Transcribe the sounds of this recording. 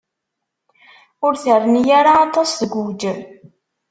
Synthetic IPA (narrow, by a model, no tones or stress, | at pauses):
ʊɾθərːənjaɾaːt̪ˤːɑsθəɡʷud͡ʒ